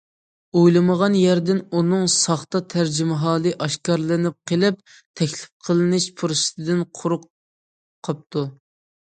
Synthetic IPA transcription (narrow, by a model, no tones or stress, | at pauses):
ojlˠɨməʁɑnjæɾd̪ɪnunɨŋsɑχt̪ɑt̪ʰæɾd͡ʒɪmɪɦɑːlˠɨʔɑʃkɑɾlˠɨnɪp̚qʰəlˠɪp̚ | t̪ʰɛkʲlɪ̥p̚qʰəlˠɨnɪʃpʰuɾɨʃt̪ʰɨd̪ɪnqʰʊɾʊqʰː | ɑp̚t̪ʰu